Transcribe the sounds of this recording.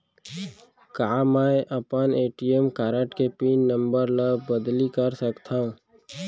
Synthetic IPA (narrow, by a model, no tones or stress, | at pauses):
kaːmaʔɐpəneːʈijəmkaːɾəʈkepiːnːə̃mbəɾləbəd̪likəɾsəkt̪ʰaːɦũː